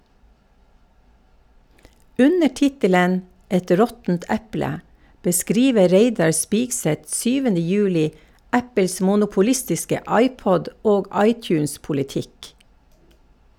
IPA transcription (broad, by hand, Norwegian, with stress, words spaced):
ˈʉnə ˈtɪtələn ˈɛt ˈɾɔtn̩t ˈɛplə bəˈskɾiːʋə ˈɾeɪdɑɾ ˈspiːɡˌsɛt ˈʃyːʋənə ˈjʉːlɪ ˈæpəls mʊnʊpʊˈlɪstɪskə ˈɑɪˌpɔd ˈoːɡ ˈɑɪˌtjʉːnspʊlɪˌtɪk